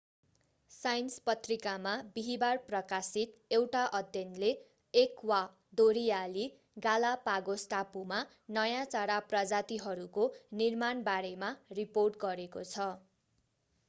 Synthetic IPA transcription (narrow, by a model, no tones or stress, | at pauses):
sajnspʌt̪rikamabiɦibarprʌkasit̪ewʈaʔʌd̪jʌnle | ekwa | d̪oɾijali | ɡalapaɡosʈapuma | nʌjãt͡saɾaprʌd͡zat̪iɦʌɾukonirmanbaɾemariporʈɡʌɾekot͡sʰʌ